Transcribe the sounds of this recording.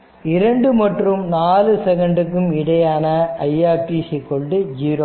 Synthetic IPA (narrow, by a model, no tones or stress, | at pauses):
ɪɾɐɳɖɯmɐʈrɯmnaːlɯsɛɣɐɳɖɯk̬ːɯmɪɽɐjaːnɐɐjaːɾʈisikːɔɭɖɯd͡ʒiːɾo